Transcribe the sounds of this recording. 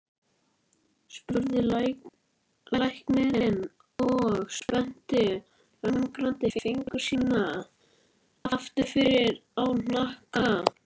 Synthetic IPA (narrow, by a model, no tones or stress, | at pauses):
spʏɾðɪl | lajhkmɪɾɪnː | ɔɣspɛn̥t̪ɪ | rœmmkɾant̪ɪfɪfiŋkʏ̥sinːað | aft̪ɪfɪɾɪɾawn̥ahka